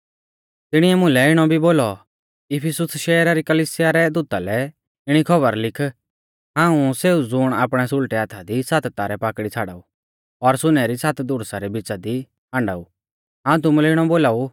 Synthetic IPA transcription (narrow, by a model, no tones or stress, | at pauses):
t̪ɪɽ̃iɛmʊ̃lɛɪɽ̃ɔbʱiboːlɔ | ɪpʰɪsʊsʃɛːɾaɾikɐliːsɪjaɾɛd̪uːt̪alɛ | ɪɽ̃ikʰɐβəɾlɪkʰ | ɦãːũseːud͡zʊːɽ̃aːpɽ̃ɛsʊlʈɛaːt̪ʰad̪isat̪t̪aːɾɛpaːkɽit͡sʰaːɽa̰ːu | ɔɾsʊnɛɾisat̪d̪ʊɽsaɾɛbɪt͡ʃad̪i | ãːɳɖa̰u | ɦãːũt̪̬ʊmulɛɪɽ̃ɔboːlaːu